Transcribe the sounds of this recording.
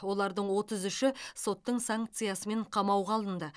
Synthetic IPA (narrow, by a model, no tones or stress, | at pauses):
wo̞lˠɑɾd̪əɴwo̞t̪əzʏʃɪso̞t̪ːəɴsaŋk̚t̪sɨjasəme̞ɴqʰɑmɑwʁɑːlˠənd̪ə